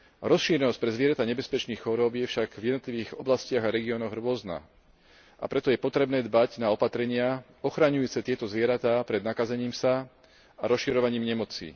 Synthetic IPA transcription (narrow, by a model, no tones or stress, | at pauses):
ɾɔsʃiːɾɛnɔsc̚pɾɛzʋɪɛɾat̪aɲɛbɛspɛt͡ʃniːxxɔɾɔbjɛfʃaɡvjɛd̪nɔt̪liʋiːɣɔblascɪaɣaɾɛɡiɔnɔɣɾʊɔzna̰ | a̰pɾɛt̪ɔjɛpɔt̪ɾɛbnɛːd̪baɟnaɔpat̪ɾɛɲɪa | ɔxɾaɲujuːt͡sɛt̪ɪɛt̪ɔzʋɪɛɾat̪aːpɾɛd̪nakazɛɲiːmsa | aɾɔsʃiɾɔʋaɲiːmɲɛmɔt͡sḭ